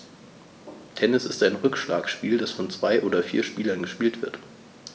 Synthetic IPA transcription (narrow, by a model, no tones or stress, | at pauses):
tʰɛnɪsɪstaɪnʁʏkʃla̰ːksʃpiːldasfɔnt͡sv̥aɪʔoːdɐfiːɐʃpiːlɐnɡəʃpiːltv̥ɪɐt